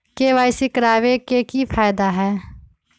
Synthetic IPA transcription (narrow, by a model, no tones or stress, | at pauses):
keʋaːɪsikɾaːʋekekipʰaːjd̪aɦɛː